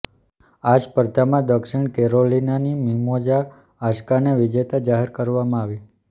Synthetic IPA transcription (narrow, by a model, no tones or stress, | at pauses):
ad͡ʒpəɾd̪amãd̪əkʃɪɳ̃kɛɾolinanimimod͡ʒaː | ʃkaneʋɪd͡ʒet̪ad͡ʒaɦeɾkəɾʋamãaʋi